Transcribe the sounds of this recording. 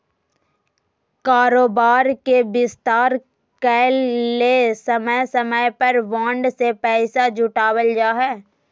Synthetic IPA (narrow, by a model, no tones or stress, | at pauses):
kaːɾoːbaːɾkebɪst̪aːɾ | kɛːlːesɐməjsəməjpəɾʋãːɳɖsepɛːsad͡ʒʱʊʈaːwəld͡ʒaːɦɛː